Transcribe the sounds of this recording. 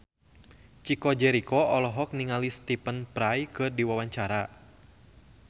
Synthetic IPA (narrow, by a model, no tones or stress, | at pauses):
t͡ʃikɔd͡ʒɛɾikɔɔlɔɦɔk̚niŋalist̪ipənpɾajkɨrdiwawaɲt͡ʃaɾa